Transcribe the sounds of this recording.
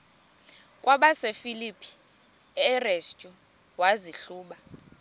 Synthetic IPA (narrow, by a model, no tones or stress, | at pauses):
kʼwaɓasefilipʰi̥ | rest͡ʃʼu | waziɬuːɓa